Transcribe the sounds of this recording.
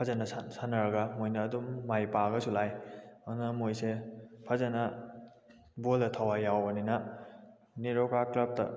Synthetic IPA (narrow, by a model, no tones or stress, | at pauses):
pʰazanɐsasanaɾɐɡamojnɐːdumːajpaɡɐsʰulajanamojsepʰazanɐ | boldɐtʰawajawbɐninɐ | niɾokaklap̚tɐ̰